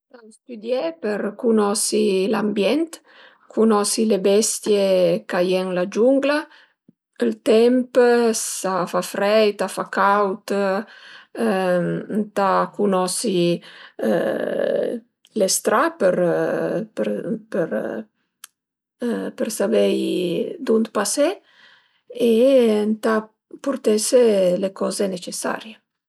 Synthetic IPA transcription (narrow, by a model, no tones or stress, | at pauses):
tast̪yd̪jepəɾkunɔsilambjɛnt̪ | kʰunɔsilebɛst̪jekajɛŋlad͡ʒuŋɡla | əlt̪ɛmpsafafɾɛjt̪afakawt̪ | t̪akunɔsi | ə̰ | lest̪ɾapəɾ | pəɾpəɾ | pəɾsabejd̪und̪pase | ent̪a | puɾt̪eselekɔzenet͡ʃesa̰ɾje